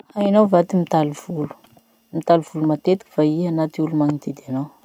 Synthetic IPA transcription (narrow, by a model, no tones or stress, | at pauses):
ainawvat̪imit̪aliv̥ulu̥ | mit̪aliv̥ulumat̪et̪i̥ki̥faiɦanat̪iulumaŋid̪ed̪anaw